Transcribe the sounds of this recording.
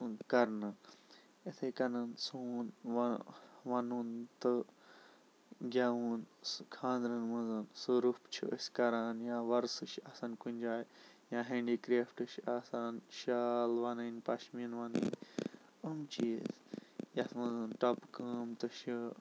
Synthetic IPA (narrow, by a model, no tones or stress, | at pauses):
kɐɾnɨ | et̪ʰekɐnɐnsuːnʋʋɐnunt̪ɨ | ɡʲaunskʰãːnd̪ɾɨnmɐzɐnsɨɾupt͡ʃʰḭə̰sʲkɐɾaːnjãːʋɐɾsɨʃaːsaːnkunʲd͡ʒaːj | jãːɦẽːɳɖiːkɾeːfʈɨʃaːsaːnʃaːlʋanɐnpaʃminʋɐnɨn | əmt͡ʃit̪ʰjasmɐzɨnʈɐpkəːmt̪ɨʃ